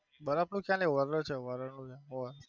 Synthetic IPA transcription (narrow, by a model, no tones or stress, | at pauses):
bəɾapnũkjãneʋəɾəɾt͡ʃʰeʋəɾəɾnũkjãɾə